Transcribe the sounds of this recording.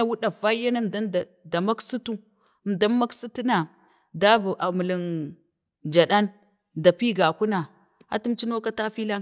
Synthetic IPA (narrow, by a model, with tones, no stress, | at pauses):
a˨wu˦ɗa˨va˦ja˦na˦mda˦da˨ | da˨ma˦ksu˦tu˦˨ | mda˦ma˦ksu˦ti˦na˨ | da˦bu˨ʔa˨mu˨li˨n | d͡ʒa˨ɗa˦n | da˨pi˦ɡa˨ku˦na˨ | a̰˦tu˦mt͡ʃi˦no˦ka˦ta˦fi˦la˦